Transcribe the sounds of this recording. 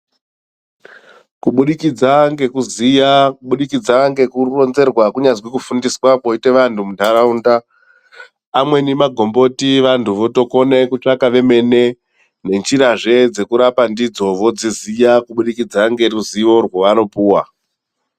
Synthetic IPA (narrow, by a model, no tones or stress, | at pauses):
kuɓuɗikid͡zaŋɡe̞kuzijakuɓuɗikid͡zaŋɡe̞kuro̞nze̞rwakuɲad͡zwikufundiswapo̞ite̞ʋantʰumudʱaɾaunda | mwe̞nimaɡʱo̞mbo̞tiʋantʰuʋo̞to̞ko̞ne̞kut͡ʂakaʋe̞me̞ne̞ | ne̞nt͡ʃiɾaʐe̞d͡ze̞kuɾapandid͡zo̞ʋo̞d͡zizijakuɓuɗikid͡zaŋɡe̞ruziʋo̞rwoʋano̞puːwa